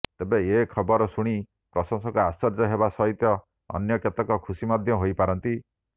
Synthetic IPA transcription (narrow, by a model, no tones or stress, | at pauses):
t̪ebeekʰɔbɔɾɔsuɽ̃i | pɾɔsɔŋsɔŋkuasɔɾd͡ʒɔɦebasɔɦit̪jɔ | ɔ̰njɔket̪ɔkɔkʰusimɔd̪ʱjɔɦojpaɾɔnt̪i